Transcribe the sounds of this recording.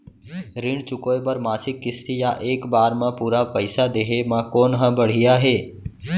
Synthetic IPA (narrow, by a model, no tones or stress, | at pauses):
ɾɪɳt͡ʃʊkoːebəɾmaːsɪkːɪst̪ijaʔeːkbaːɾmãpuːɾapəɪsad̪eɦemãkoːnɦə̃bəɽ̤ɪjaɦeː